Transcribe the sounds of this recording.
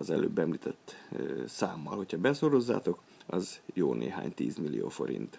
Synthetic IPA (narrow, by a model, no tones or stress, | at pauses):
ɒzɛløːbːɛmliːt̪ɛt̪ːsaːmːɒlho̞chɒbɛsoɾo̞zːa̰ːt̪o̞k | ɒzjoːnʔeːɦaːɲt̪iːzmilːijoːfo̞ɾint̪